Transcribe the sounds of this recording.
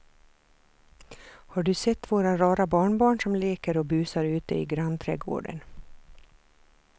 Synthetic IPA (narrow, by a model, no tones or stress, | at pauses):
hɑːɖʉːsɛt̪ːʋoːɾaɾɑːɾabɑːɳbɑːɳsɔmleːkəɾoːbʉːsaɾʉːt̪əḭːɡɾɑnt̪ʰɾɛːɡo̰ːɖə̰n